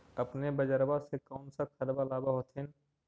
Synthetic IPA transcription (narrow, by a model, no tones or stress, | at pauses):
ɐpnebəd͡ʒəɾbasekaːnsakʰɐɾbalaːbaɦoːt̪ʰen